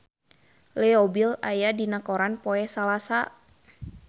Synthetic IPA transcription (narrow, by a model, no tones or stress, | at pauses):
lɛobilajadinakoɾanpɔɛsalasa